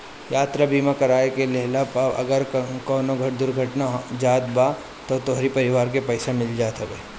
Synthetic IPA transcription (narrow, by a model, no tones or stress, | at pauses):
jaːt̪ɾabiːmãkɐɾaːekeleɦlapɐ̰ɡəɾkɔːnoɡʱɐʈd̪ʊɾɡʱɐʈnaɦd͡ʒaːd̪ba | t̪ot̪oːɦɾipɐɾɪʋaːɾk̬epɛːɪsamɪld͡ʒaːt̪ɐʋeː